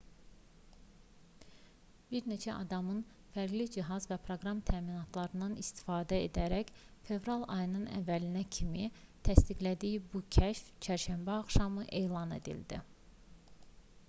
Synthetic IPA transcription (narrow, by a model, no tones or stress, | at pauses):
b̥iɾne̞t͡ʃʰæʔɑ̰d̪ɑmɯn | fæɾɡlid͡ʒiɦɑzvæpʰɾo̞ɡɾɑmt̪ʰæːminɑt̪ʰlˠɑɾɯnd̪ɑnist̪i̥fɑːd̪æḛd̪æɾæç | fe̞vɾɑlˠɑ̰jɯnɯnæ̰vːælinæcʰimit̪ʰæst̪iɡlæd̪ijbucʰæʃft͡ʃʰæɾʃæmbæɑχʃɑmɯʔe̞jlˠɑne̞̰d̪ḭld̪ḭ